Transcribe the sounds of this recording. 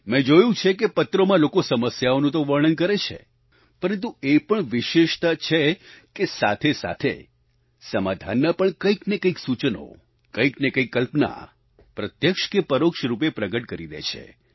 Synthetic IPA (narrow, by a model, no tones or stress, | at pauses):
mẽd͡ʒojũt͡ʃʰekepət̪ɾomãlokosəməsjaonũt̪oʋəɾɳ̃ənkəɾet͡ʃʰḛ | pəɾənt̪̬uepəɳʋɪʃeʃt̪at͡ʃʰekesa̰t̪ʰesa̰t̪ʰḛ | səmad̪ʱa̰nːəpəɳkəiknekəiksut͡ʃno̰ | kəiknekəikːəlpna̰ | pɾət̪jəkʃkepəɾokʃɾup̬epɾəɡəʈkəɾid̪ḛt͡ʃʰḛ